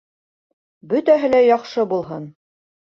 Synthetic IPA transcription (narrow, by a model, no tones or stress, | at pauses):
bɵt̪æɦɘ̆læjɑqʃɤbulˠɦɤn